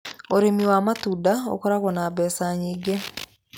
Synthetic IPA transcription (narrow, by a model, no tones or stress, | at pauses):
oɾemiwaːmatudao̰kɔɾaɣwɔnaβɛːsaɲiːɡe